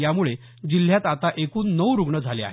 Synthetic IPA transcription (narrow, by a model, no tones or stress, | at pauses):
jamuɭe | d͡ʑil̤ːjat̪at̪aʔekuːnːəwɾuɡɳəd͡zʱalea̰